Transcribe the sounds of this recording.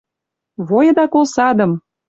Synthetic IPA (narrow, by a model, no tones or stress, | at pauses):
βojɤ̆d̪ɑkolsɑd̪ə̆m